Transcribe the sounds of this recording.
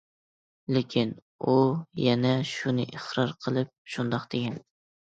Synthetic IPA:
lɪkʲʰin | ujɛnɛʃunɨʔɪχɾɑɾqʰəlˠɨp̚ʃund̪ɑqd̪̥ɪɡʲɛn

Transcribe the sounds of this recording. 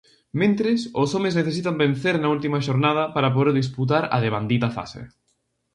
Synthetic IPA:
mẽnt̪ɾɪsʊsomezneθesit̪ambẽn̟θeɾnɐult̪imɐʃoɾnað̞ɐpaɾɐp̬oðeɾðis̬put̪̬aɾɐ̰ðeβand̪it̪ɐfa̰sḛ

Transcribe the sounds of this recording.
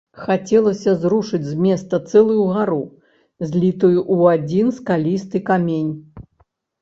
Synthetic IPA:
xat͡sʲɛlˠɐsʲɐzɾuʂɨd͡zʲzʲmʲɛst̪ɐt̪sɛlˠujuɣaɾu | zʲlʲit̪ujuʔuad͡zʲinskalʲist̪ɨkamʲenʲ

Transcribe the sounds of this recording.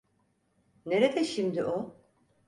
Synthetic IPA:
ne̞ɾed̪ɛʃimd̪iʔo

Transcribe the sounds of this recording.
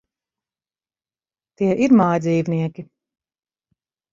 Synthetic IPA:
t̪iɛʔiɾmaːjd̪ziːvniɛkʲi

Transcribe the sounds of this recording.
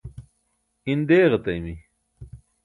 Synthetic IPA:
ind̪eːɣɐt̪ɐjmi

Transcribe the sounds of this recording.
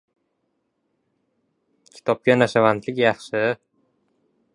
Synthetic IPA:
kʲʰɪ̥t̪ʰɒp̚kʲanaʃavant̪lɪkʲjɑχʃɪ

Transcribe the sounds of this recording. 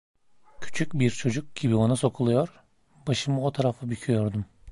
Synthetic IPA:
cʰy̥t͡ʃʰycbiɾt͡ʃʰo̞d͡ʒuk̚ɟ̥ibio̞naso̞kʰulˠujo̞ɾ | b̥aʃɯmɯo̞t̪ʰaɾafabycʲʰyjo̞ɾd̪um

